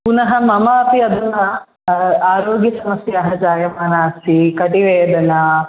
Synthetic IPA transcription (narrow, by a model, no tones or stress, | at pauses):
punɐɦɐmɐmaːɐpiɐd̪ɐnːɐ | aːɾoːɡjɐsɐmɐsjɐɐɦɐd͡ʒaːjɐmaːnaːsikɐʈiʋeːd̪ɐnɐ